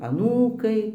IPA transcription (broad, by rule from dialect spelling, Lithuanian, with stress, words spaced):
ɐˈnuːkɐɪ